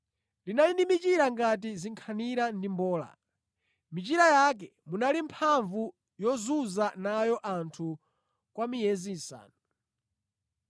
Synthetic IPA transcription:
linainimit͡ʃiɾaŋɡat̬iziŋkʰaniɾandimbɔːla̰ | mit͡ʃiɾajak̬ɛ | munalimpʰaɱvu | jɔzuzanajɔʔantʰu | kwamijɛzisa̰ːnu

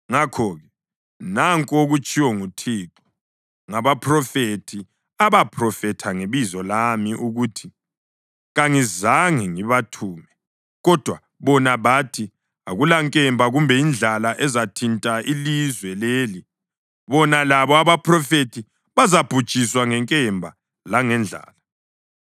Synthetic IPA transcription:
ŋakʰɔɣɛ | naŋkʼoɣut͡ʃʼiwɔŋutʰiǁɔ̥ | ŋaβapʰrɔfetʰi | aβapʰrɔfɛtʰaŋeβizɔlamiʔuɣutʰi | ɣaŋizaŋiŋiβatʰuːmɛ | ɣɔd̥ʱwa | βɔnaβatʰi | a̰ɣulaŋkʼɛmbʱaɣumbʱɛind͡ɮʱalaʔɛzatʰintʼailizwɛleːli | βɔnalaβɔaβapʰrɔfetʰi | βazab̥ʱud̥ʒ̥ʱiswaŋɛŋkʼɛmbʱa | laŋɛnd͡ɮʱa̰ːla

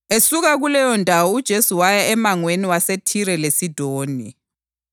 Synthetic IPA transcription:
esuɣaɣulɛjɔndʱawɔud̥ʒ̥ʱesuwajaɛmaŋweniwasetʰiɾɛlesid̥ʱoːni

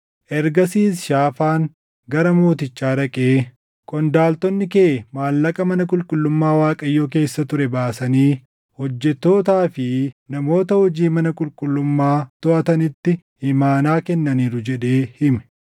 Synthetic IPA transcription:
ʔɛɾɡɐsiːsʃaːfaːŋ | ɡɐɾɐmoːt̪ɪt͡ʃːaːɾɐkʼeː | kʼɔnd̪aːlt̪ɔnːɪkeːmaːlːɐkʼɐmɐnɐkʼʊlkʼʊlːʊmːaːwaːkʼɐjːoːke̞ːsːɐt̪ʊɾɛbaːsɐniː | hɔd͡ʒːɛt̪ːo̞ːt̪aːfɪnɐmo̞ːt̪ɐhɔd͡ʒiːmɐnɐkʼʊlkʼʊlːʊmːaːt̪ɔʔɐt̪ɐnɪt̪ːɪ | hɪmaːnaːkɛnːɐniːɾʊd͡ʒɛᶑe̞ːhɪmɛ̥

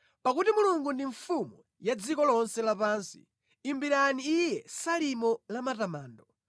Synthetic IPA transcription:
pakutimuluŋɡundiɱfumu | jad͡zikɔlɔnsɛlapaːnsi̥̰ | imbiɾaniːjɛsalimɔlamatamaːndɔ

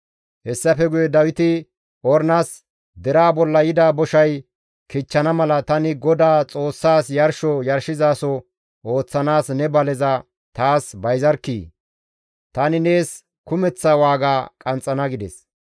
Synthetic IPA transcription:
hɛsːɐfɛɡʊjɛd̪ɐwɪt̪ɪ | ɔɾnas | d̪ɛɾaːbɔlːɐjɪd̪aːbɔʃɐj | kɪt͡ʃːɐnɐmɐlɐt̪ɐnɪɡɔd̪aːt͡sʼo̞ːsːaːsjɐɾʃɔjɐɾʃɪzaːsɔ | o̞ːt͡sːɐnaːsnɛbɐlɛzɐ | t̪aːsbɐjzɐɾkːiː | t̪ɐnɪne̞ːs | kʊmɛt͡sːɐwaːɡaːkʼɐnt͡sʼːɐnɐɡɪd̪ɛ̰s

